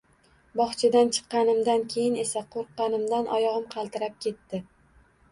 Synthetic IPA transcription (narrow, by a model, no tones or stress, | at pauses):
bɒχt͡ʃʰɪd̪ant͡ʃʰɨ̥qːɑnɪmd̪ankʲʰe̞jɪne̞saqʰoɾqːɑnɪmd̪anʔɒjɒʁɨmqʰɑlˠt̪ɪɾap̚kʲʰe̞t̪ːɪ